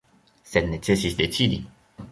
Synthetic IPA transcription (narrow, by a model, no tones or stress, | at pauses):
sɛt̪net͡sesisd̪et͡sid̪i